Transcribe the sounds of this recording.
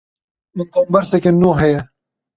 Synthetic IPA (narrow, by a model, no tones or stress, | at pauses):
mɨnt̪oːmbɛɾsɛkʲenːoːɦɛjɛ